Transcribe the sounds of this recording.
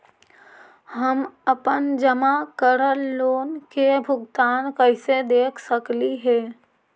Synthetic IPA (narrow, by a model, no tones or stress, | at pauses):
həməpənd͡ʒəmakəɾəlːoːnkebʱʊɡt̪aːnkəɪsed̪eːkʰsəkliɦɛː